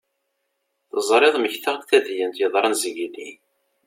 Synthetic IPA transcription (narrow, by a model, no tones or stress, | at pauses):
θəzˤɾˤeðˤməçθaʁθæðjənt̪jəðˤɾˤənzəɡili